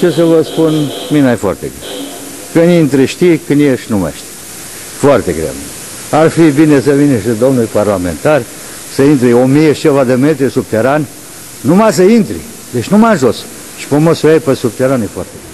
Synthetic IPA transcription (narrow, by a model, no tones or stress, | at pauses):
t͡ʃes̬əvəspunminajfoa̰rt̪ḛɡɾem | kɨnint̪ɾiʃt̪ikɨnd̪jeʃnuma̰jʃt̪i̥ | foart̪eɡɾḛm | arfibinesəvinʃed̪o̞mnuljparlamḛnt̪ar | səint̪ɾiomijet͡ʃevad̪emet̪ɾisub̚t̪eɾanʲ | numas̬əint̪ɾḭ | d̪et͡ʃnumajnʒos | ʃi̥pəmosujejpesub̚t̪eɾanjefoa̰rt̪eɡe